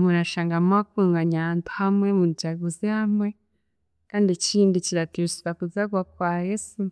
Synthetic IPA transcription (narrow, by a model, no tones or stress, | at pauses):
munaʃaːŋɡamakuːŋɡaɲahaːntu̥hamŋemund͡ʒaɡuzihamŋe | kaːndiciːndiciɾatiusuβakuzaɡwakwaːjesu